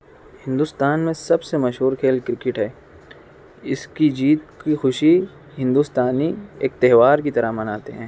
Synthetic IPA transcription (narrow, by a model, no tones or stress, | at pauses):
hɪ̃nd̪ʊst̪aːnmẽsɐbsemɐʃɦuːɾkʰeːlkɾɪkɪʈɦɛː | ɪskid͡ʒiːt̪kixʊʃi | ɦɪ̃nd̪ust̪aːnieːk̚t̪ɛɦʋaːɾk̬it̪ɐɾaɦmɐnaːt̪eɦɛ̃ː